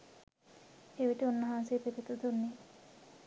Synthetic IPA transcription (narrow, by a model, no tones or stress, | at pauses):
eʋiʈiunːɐɦanseːpet̪it̪ud̪unːe